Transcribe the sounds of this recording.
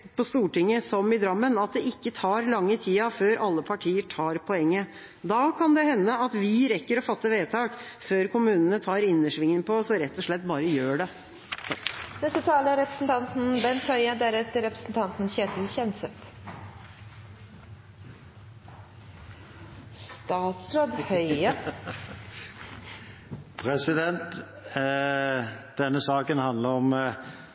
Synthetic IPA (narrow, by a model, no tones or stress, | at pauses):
pɔst̪uːʈɪŋːəsɔmɪd̪ɾɑmːənɑt̪̚d̪ɛɪkːət̪ʰɑːɾlɑŋːət̪ʰiːɑføːɾʔɑlːəpʰɑʈʰiːəʈʰɑːɾpʰɔɛŋːə | d̪ɑkʰɑnd̪ɛhɛnːəɑt̪ʋɪɾɛkːəɾɔfɑt̪ːəʋeːt̪ʰɑːk | føːɾkʊmʉːnənət̪ʰɑːɾɪnːəʂʋɪŋːənpʰɔsɔɾɛt̪ːɔʂɭɛt̪ːbɑːɾəjøːɖɛ | nɛst̪ət̪ʰɑːləɾɛpɾə̥sn̩t̪ʰɑnt̪n̩bɛnt̪ʰœʏəd̪æɾɛt̪ːəɾɛpɾəsn̩t̪ʰɑnt̪n̩çeːt̪l̩çɛnsəft̪ | st̪ɑːt̪sɾoːd̪hœʏə | pʰɾɛsɪd̪ɛnt̪ | d̪̥ɛnːəsɑːkənhɑnd̪ləɾɔm